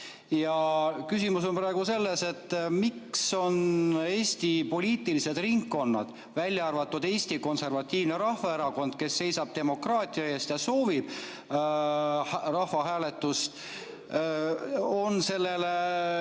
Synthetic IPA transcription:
jɑkysʲimuso̞npɾɑeɡ̥use̞lːe̞se̞t̪ːmikso̞ne̞ːsʲt̪ipo̞lʲiːt̪ilise̞d̪̥riŋkːo̞nːɑ̰d̪̥ | vælʲjɑɑrvɑt̪ːud̪̥e̞ːsʲt̪iko̞nse̞rvɑt̪ʲːˑiːvneɾɑhvɑe̞ɾɑko̞nd̪̥ke̞sːe̞jsɑb̥̚t̪e̞mo̞krɑːt̪ʲˑiɑe̞ːst̪jɑso̞ːvib̥ | rɑhvɑɦæːle̞t̪ːust̪ | o̞nse̞lːe̞le

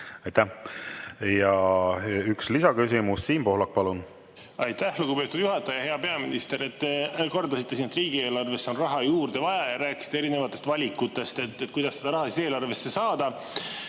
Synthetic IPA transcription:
ɑjt̪æh | jɑ | ykslisɑkysimusːiːnpo̞hlɑk̚ːpɑlun | ɑjt̪ːæhluɡ̥upe̞ːt̪ːud̪̥juɦɑt̪ːˑɑjɑjɑɦe̞ɑpe̞ɑminist̪e̞ɾe̞t̪ːeko̞rd̪ɑsit̪ːeiːnet̪riːɡ̥ie̞ːlɑrve̞sːeo̞nrɑɦɑjuːrd̪̥e̞vɑjɑjɑɾæːkːˑi̥si̥t̪eeɾine̞vɑt̪ːˑe̞st̪vɑlʲikːˑut̪ːˑe̞st̪e̞t̪ːet̪̚kujd̪ɑsːe̞d̪̥ɑɾɑɦɑsise̞ːlɑrve̞sːe̞sɑːd̪̥ɑ

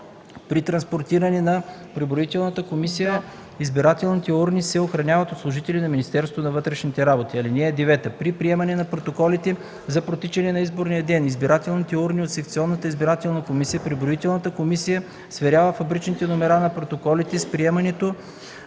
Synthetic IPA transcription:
pɾit̪ɾɐnspoɾt̪iɾɐnɛnɐ | pɾɛbɾoit̪ɛlˠnɐt̪əkomisijə | izbiɾat̪ɛlˠnit̪ɛuɾnisɛoxɾɐnʲjavɐt̪ot̪slˠoʒit̪ɛlinɐminʲist̪ɛɾst̪vonɐvɤt̪ɾɛʃnit̪ɛɾabot̪iɐlinɛːd̪ivɛt̪əpɾipɾiɛmɐnɛnɐpɾot̪okɔlit̪ɛ | zɐpɾot̪it͡ʃɛnɛnɐizboɾnijəd̪ɛnizbiɾat̪ɛlˠnit̪ɛuɾniot̪sɛk̚t̪siɔnːət̪əizbiɾat̪ɛlˠnɐkomisijəpɾɛbɾoit̪ɛlˠnət̪əkomisijə | svɛɾʲjavəfɐbɾit͡ʃnit̪ɛnomɛɾanɐpɾot̪okɔlit̪ɛspɾiɛmɐnɛt̪o

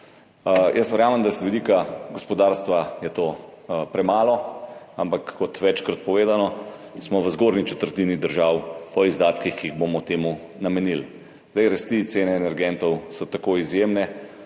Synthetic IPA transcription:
jəst̪ʋɛɾjaːməmd̪asʋɛd̪iːkaɡɔspɔd̪aːɾst̪ʋajɛt̪oːpɾɛmaːlɔampakːɔt̪ʋɛt͡ʃkɾat̪̚pɔʋeːd̪anɔsmɔʋəzɡoɾnit͡ʃɛt̪əɾt̪inid̪əɾʒaːwpɔizd̪aːt̪kixkiiɣbomɔt̪eːmu | namɛnil | zd̪ajɾast̪it̪seːnɛːnɛɾɡɛnt̪ɔwsɔt̪akoːizjemnɛ

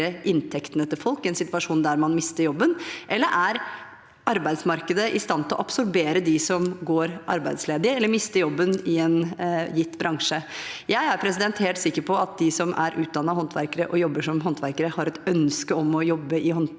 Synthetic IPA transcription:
əʔɪnt̪ʰɛkt̪ənət̪ʰɪfɔlkɪɛnsɪt̪ʋɑʂuːnd̪æɾmɑnmɪst̪əɾjɔbːənʔɛlːəɾʔæɾ | ɑɾbæɪd̪smɑɾkəd̪əʔɪst̪ɑnt̪ʰɪlɔ̰ʔɑpsɔɾbeːɾəd̪ɪsɔmɡoːɾʔɑ̰ɾbæɪd̪sleːd̪ɪɛlːəɾmɪst̪əjɔbːənɪɛnjɪt̪ːbɾʔɑŋʂəjæɪæɾpʰɾɛsɪd̪ɛnt̪heːlt̪sɪkːəɾpʰɔɑt̪̚d̪ɪsɔmʔæ̰ɾʔʉːt̪̚d̪ɑnːɑhɔnt̪ʰʋæ̰ɾkəɾəʔɔjɔbːəʂɔmɦɔnt̪ʰʋæɾkəɾəhɑɾɛt̪œnskəɔmɔjɔbːəɪhɔn

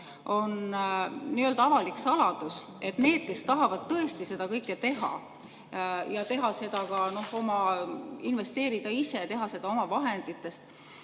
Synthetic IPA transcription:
o̞n | niøld̪̥ɑɑvɑliksɑlɑd̪̥us | e̞t̪ne̞ːd̪̥̚ke̞st̪ɑɦɑvɑd̪̥̚t̪ɤ̞e̞st̪ise̞d̪̥ɑkɤjkːˑet̪e̞ɦɑ̰ | jɑt̪e̞ɦɑse̞d̪̥ɑkɑno̞ho̞mɑinve̞st̪e̞ːɾid̪̥ɑise̞t̪e̞ɦɑse̞d̪ɑo̞mɑvɑɦe̞nd̪̥it̪ːˑe̞st̪

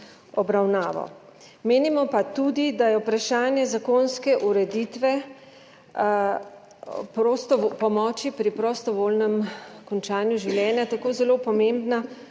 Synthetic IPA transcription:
ɔbɾawnaːʋɔ̰ | meːnimɔpat̪uːd̪id̪ajɛupɾaʃaːnjɛzakoːnskɛʔuɾɛd̪it̪ʋɛ | pɾost̪ɔpɔmɔːt͡ʃipɾipɾɔst̪ɔʋoːlnɛmkɔnt͡ʃaːnjuʒiwljɛːnjat̪akoːzɛloːpɔmẽmbna

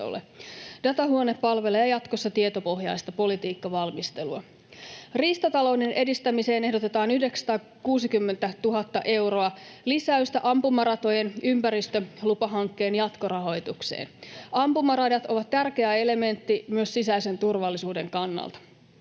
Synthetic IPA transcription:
o̰lːḛdɑt̪ɑɦuo̞nepːɑlʋe̞leɑjɑt̪kosːɑt̪iet̪o̞po̞ɦjɑ̰jst̪ɑpo̞lit̪iːkːɑʋɑlmist̪eluɑ | riːst̪ɑt̪ɑlo̞wnenʔe̞dist̪æmise̞ːne̞ɦdo̞t̪e̞t̪ɑːnyhɦdeksɑ̥t̪ɑː | kuːsikymːe̞nt̪æt̪uɦɑt̪ːɑʔe̞wɾo̞ɑlisæyst̪æʔɑmpumɑrɑt̪o̞jenympæɾist̪ølupɑɦɑŋkːe̞ːnjɑt̪ko̞ɾɑɦo̞jt̪ukse̞̰ːnɑmpumɑrɑdɑt̪o̞ʋɑt̪t̪ærk̟e̞æe̞le̞me̞nt̪ːimyøsːisæise̞nt̪urʋɑlːisuːde̞ŋkɑnːɑ̰lt̪ɑ̥

